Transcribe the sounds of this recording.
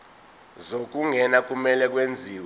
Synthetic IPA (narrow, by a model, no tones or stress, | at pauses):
zok̬uŋʱɛnak̬ʼumɛlɛk̬wend͡zʱiːw